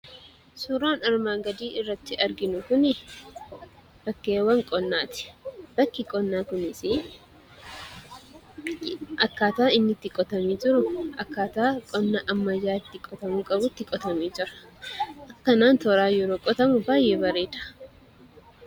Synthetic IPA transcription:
sʊɾoːnɐɾmaːŋɡɐd̪iːɪrːɐt̪ːɪɐɾɡɪnʊkʊnɪ | b̥ɐkːeːwɐŋkʼɔnːaːt̪ɪ̥b̥ɐkːɪkʼɔnːaːkʊnɪsɪ | ʔɐkːaːt̪aːɪnːɪt̪ːɪkʼɔt̪ɐmiːd͡ʒɪɾʊʔɐkːaːt̪aːkʼɔnːaʔɐmːɐd͡ʒaːɪt̪ːɪkʼɔt̪ɐmuːkʼɐbʊt̪ːɪkʼɔt̪ɐmiːd͡ʒɪɾɐ̥ʔɐkːɐnaːnt̪ɔɾaːjɔɾoːkʼɔt̪ɐmʊbaːjːe̞ːbɐɾeːd̪ɐ̥

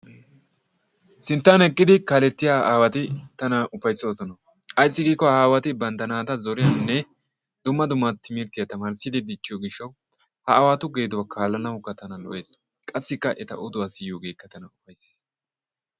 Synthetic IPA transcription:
sɪnt̪ːaːnhɛkʼːɪd̪ɪkaːlɛt̪ːɪjaːʔaːwɐt̪ɪt̪ɐnɐʔʊfɐjsosɔnɐ | ʔɐjsːɪɡiːkːɔhaːwɐt̪ɪbɐnd̪ɐnaːt̪ɐzɔɾɪjɐnːɛ | d̪̥ʊmːɐd̪ʊmːat̪ʰːɪmɪɾt̪ɪjɐt̪ɐmaːɾsɪd̪ɪd̪ɪt͡ʃːɪjɔɡɪʃːɐw | hɐɐwaːt̪ʊɡe̞ːd̪ʊwakʰaːlːɐnɐwʊkːɐt̪ɐnɐlɔ̰ʔe̞ːs | kʼɐsːɪkːɐʔɛt̪ɐ̰ʔɔd̪ʊwaːsɪjːoːɡe̞ːkːɐt̪ɐnɐʊfɐjse̥ːs

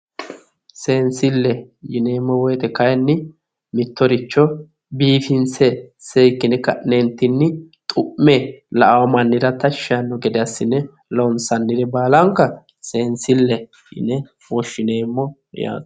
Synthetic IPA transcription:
seːnsɪlːɛ | jɪne̞ːmːɔwɔjt̪ɛkɐjnːɪ | mɪt̪ːɔɾɪt͡ʃːɔ | biːfɪnsɛsejkːɪnɛkːɐnɛnt̪ːɪnːɪt̪ʼʊʔmːɛlɐʔɐwɔmɐnːɪd̪ɐt̪ɐʃːɐnːɔɡɛd̪ɪɐsːɪnːɛ | lɔnsɐnːɪd̪ɛbaːlɐŋkːɐ | se̞ːnsɪlːɛ | ɪ̰nɛ | wɔʃːɪneːmːɔ̰ | ja̰ːd̪

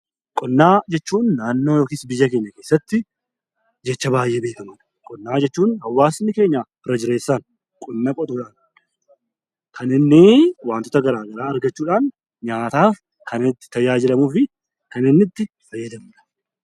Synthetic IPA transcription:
kʼɔnːaːd͡ʒɛt͡ʃːuːnːaːnːoːjo̞ːkiːsbɪjːɐke̞ːɲːɐke̞ːsːɐt̪ːɪ | d͡ʒɛt͡ʃːɐbaːjːeːbe̞ːkɐmɐᶑɐ̥ | kʼɔnːaːd͡ʒɛt͡ʃːuːnhɐwːaːsɪnːɪke̞ːɲːaɪrːɐd͡ʒɪɾe̞ːsːaːn | kʼɔnːɐkʼɔt̪ʼuːᶑaːn | kʰɐnɪnːɪwaːnt̪ɔt̪ɐɡɐɾaːɡɐɾaːɐɾɡɐt͡ʃːuːᶑaːn | ɲaːt̪aːf | kɐnɪt̪ːɪ̥t̪ɐjaːd͡ʒɪlɐmuːfɪ | kɐnɪnːɪt̪ːɪ | fɐjːɐd̪ɐmuᶑɐ̥

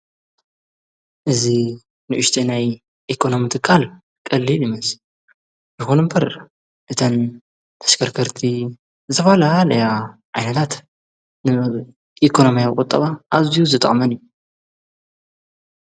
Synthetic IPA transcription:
ʔɨzi | nɨʔʊʃt̪ʰenaj | ʔikʰo̞no̞mit̪ʰɨkʰːal | kʼɐlːilimɐs | jɨxonɨmbɐɾ | ʔɨt̪ʰɐn | t̪ʰɐ̥ʃkʰɐɾkʰɐɾt̪ʰi | zzɨt̪ʰɐfalahalɐja | ʕajnɐt̪ʰat̪ | nɨ | ʔikʰo̞no̞mijawkʼʊt̪ʼːɐβaʔaβzijuzɨt̪ʼɐχʼmɐnijːu

